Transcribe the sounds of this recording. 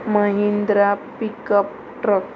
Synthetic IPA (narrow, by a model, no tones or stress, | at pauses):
məɦind̪ɾapikəp̚ | ʈɾək